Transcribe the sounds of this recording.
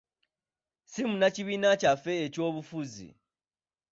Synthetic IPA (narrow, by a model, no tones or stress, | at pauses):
simunaciβiːnacafe̞ːco̞ːβufuzḭ